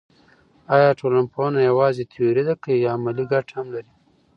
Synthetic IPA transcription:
ɑjɑʈolanponajawɑzet̪ʰajoɾid̪akaijɑːmaliɡaʈhamlaɾi

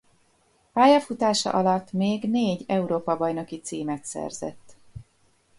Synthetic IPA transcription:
paːjɒfut̪aːʃɒ̰ʔɒlɒt̪ːmeːɡneːɟɛuɾoːpɒbɒjno̞kit̪siːmɛt̪sɛ̰rz̥ɛ̰t̪ː

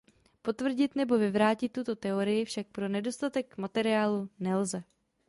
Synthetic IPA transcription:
po̞t̪vr̩ɟɪt̪nɛbo̞vɪvɾaːcɪt̪ːut̪o̞t̪ɛo̞ɾɪjɪfʃak̚pɾo̞nɛdo̞st̪at̪ɛkmat̪ɛɾɪjaːlunɛlzɛ

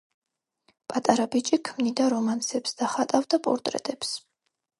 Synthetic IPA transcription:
pʼat̪ʼaɾabit͡ʃʼikʰmnid̪aɾɔmansɛpsd̪̥aχat̪ʼavd̪apʼɔ̰ɾt̪ʼɾɛ̰t̪ʼɛps

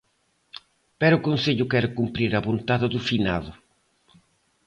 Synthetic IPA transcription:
pɛɾʊkonseʎʊkɛɾʊkumpɾiɾɐβont̪aðɪðufina̰ðʊ

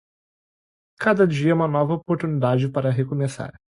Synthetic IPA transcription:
kad̪ɐd͡ʒiɐɛũmɐnɔvɐopoɾt̪unid̪ad͡ʒɪpaɾɐɦekomesa̰ɾ

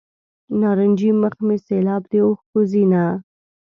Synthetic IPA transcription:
nɑːɾənʲd͡ʒiməxmeselɑːbd̪eoxkozina

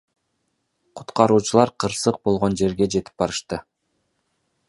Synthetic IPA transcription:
qʰu̥t̪qɑɾuːt͡ʃulˠɑɾqʰɯɾsɯq̚bo̞lˠʁo̞nd͡ʒe̞ɾɡe̞d͡ʒe̞t̪i̥p̚bɑɾɯʃt̪ɯ

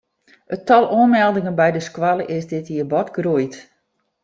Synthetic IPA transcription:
ətɔlˠoənmɛlˠdɪŋənbɛjdəskwalˠəʔɪsdɪtiəbɔtɡrujt

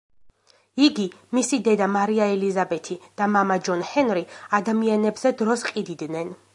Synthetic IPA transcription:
iɡi | misid̪ɛd̪amaɾiaɛlizabɛt̪ʰid̪̥amamad͡ʒɔnhɛnɾiad̪amianɛbzɛd̪ɾɔsqʼid̪id̪nɛn

